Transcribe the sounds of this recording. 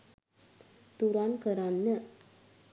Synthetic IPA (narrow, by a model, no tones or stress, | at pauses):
t̪uɾankəɾanːə